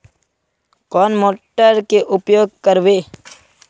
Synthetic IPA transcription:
kɔːnmoːʈəɾkeʔʊpjoːɡ̚kəɾʋeː

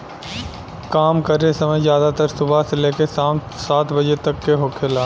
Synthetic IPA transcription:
kaːmkəɾesɐməjzjaːd̪at̪əɾsʊbʱaseleːkes | saːt̪ʰbɐd͡ʒet̪ɐkːeɦoːkʰeːlaː

